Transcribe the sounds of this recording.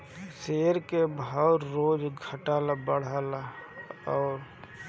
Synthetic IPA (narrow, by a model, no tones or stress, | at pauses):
seːɾkebʱawɾɾoːd͡ʒɡʱəʈaːlabəɽ̤aːlaɔːɾ